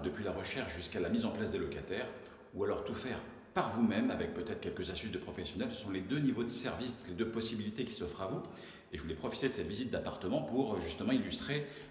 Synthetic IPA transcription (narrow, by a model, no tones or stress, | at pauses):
d̪əpɥilaʁəʃɛʁʃʒyskalamizɑ̃plasd̪elɔkat̪ɛːʁ | ualɔʁt̪ufɛʁ | paʁvumɛmavɛk̚pøt̪ɛt̪χəkʲɛlkəzast̪ysd̪əpχɔfɛsjɔnɛlsə̥sɔ̃led̪ønivod̪əsɛʁvisled̪øpɔsibilit̪ekʲi̥sɔfχavu | eʒəvulɛpχɔfit̪ed̪əsɛt̪vizit̪̚d̪apaʁt̪əmɑ̃puʁʒyst̪əmɑ̃ilyst̪χe